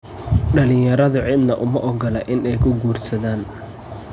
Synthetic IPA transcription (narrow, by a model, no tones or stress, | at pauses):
ɖɐlɪ̃jɐɾɐðʊʕɪd̪nɐʔʊmɐʔɔɡɔlɛʔɪnɛjkʰʊɡuːrsɐðaːn